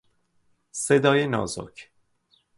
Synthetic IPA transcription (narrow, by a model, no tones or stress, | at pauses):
sed̪ɒːjenɒ̰ːzo̰cʰ